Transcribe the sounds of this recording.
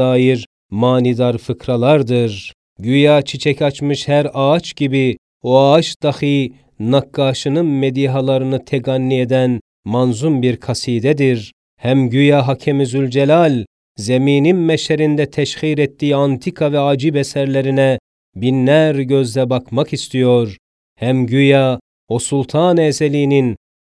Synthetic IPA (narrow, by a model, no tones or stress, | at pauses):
aːjiɾ | maːnid̪aɾfɯkɾalˠaɾd̪ɯɾ | ɟyjaːt͡ʃʰit͡ʃʰɛcat͡ʃmɯʃhæɾaːt͡ʃɟibi | oaat͡ʃd̪̥axɯ | nakːaːʃɯnɯnmed̪iːɦalˠaɾɯnɯt̪ʰeɡanːied̪æn | manzumbiɾkʰasiːd̪ɛd̪iɾ | hæmɟyjaɦacʰɛmizylʲd͡ʒelʲalʲ | zemiːninmɛʃɛɾind̪ɛt̪ʰɛʃxiːɾɛt̪ːijant̪ʰikʰavɛad͡ʒibɛsæɾlʲeɾinɛ | binːæɾɟø̞zlɛbakmakist̪ʰijo̞ɾ | hæmɟyja | osulˠt̪ʰaːnɛseliːnin